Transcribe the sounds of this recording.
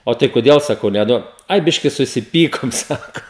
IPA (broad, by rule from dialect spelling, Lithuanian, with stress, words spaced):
ˈoː tɐɪ koːˈdʲeːlˠ sɐˈkɐʊ nʲɛˈduɔt ˈɐɪ ˈbʲɪʃʲkʲɪ sʊsʲɪˈpʲiːkoːm ˈsɑːkoː